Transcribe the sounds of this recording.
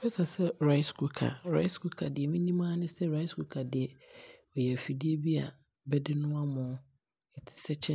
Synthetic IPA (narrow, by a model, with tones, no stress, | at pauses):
fɛ˦kʰa˨sɛ˦ɾa˦ɪ˦sku˨kʰa̰˨ɾa̰˦ɪ˦sku˦kʰa˨dɪ˨ɛ˨mĩ˦nĩ˦mãː˦nɪ̃˦sɛ˦ɾa˦ɪ˦skʰu˨˦kʰa˨dɪ˨ɛ˨ɔ˨jɛ˨fi˨dɪ˦e˦bi˦a˨ | bɛ˦dɪ˦nʊ̃˦a˦mʊ̃˨ | ɛ˨tʰɪ̥˨sɛ˦t͡ɕʰɛ̃˦